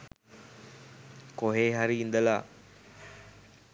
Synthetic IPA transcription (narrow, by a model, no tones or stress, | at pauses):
koɦeːɦaɾiːnd̪əla̰